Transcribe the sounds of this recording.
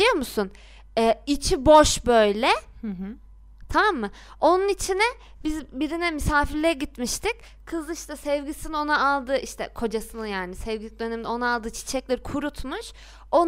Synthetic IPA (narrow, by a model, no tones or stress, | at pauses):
ijo̞musun | ɛːit͡ʃʰibo̞ʃbø̞jlʲɛ | t̪ʰamamːɯ | o̞nunit͡ʃʰinɛ | bizbiɾinɛmisaːfiɾlʲejɛɟit̪miʃt̪ʰic | kʰɯzlˠɯiʃt̪ʰɛsɛvɟisinio̞naalˠd̪ɯʔiʃt̪ʰɛ̰kʰo̞d͡ʒasɯnɯjaːnisɛvɟʲilic̚d̪ø̞nɛminɛo̞naalˠd̪ɯːt͡ʃʰi̥t͡ʃʰɛclʲeɾikʰuɾut̪ʰmuʃ | o̞